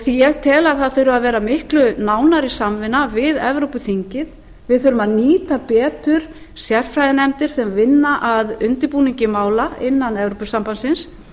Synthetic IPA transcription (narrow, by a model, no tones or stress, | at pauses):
θiɛɾt̪ʰɛːlaθaðθœɥɾʏaðvɛːɾamɪhklʏnaːwnaɾisamvɪnːavɪðɛ̰vɾowpʏθiɲcɪð | vɪðθʏɾʏmaðniːt̪apɛːt̪ʏɾ̥ | sjɛr̥fɾajðɪnɛmt̪ɪɾ̥sɛmvɪnːaʔaðʏnt̪ɪɾpuːniɲcɪmaːwlaɪnːanɛvɾopʏsampansɪns